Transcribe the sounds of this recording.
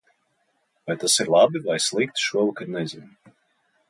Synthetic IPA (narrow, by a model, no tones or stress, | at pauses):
vajt̪asiɾlˠabivajslˠik̚t̪ʃuɔlˠkad̪nɛzʲin